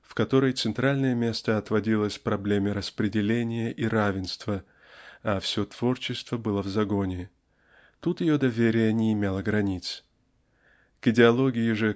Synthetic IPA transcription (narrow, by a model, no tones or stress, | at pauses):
fkɐt̪o̞ɾəjt̪sɨnt̪ɾalʲnəjəmʲe̞st̪əɐt̪vɐdʲilˠəsʲpɾɐblʲemʲɪɾəspɾʲɪdʲɪlʲenʲɪjəʔiɾavʲɪnst̪və | ɐfsʲo̞t̪v̥o̞rt͡ɕɪst̪vəbɨlˠəvzɐɡo̞nʲɪ | t̪ut̪jɪjod̪ɐvʲeɾʲɪjənʲɪɪmʲelˠəɡɾɐnʲit̪s | kɪdʲɪɐlˠo̞ɡʲɪjɪʐɨ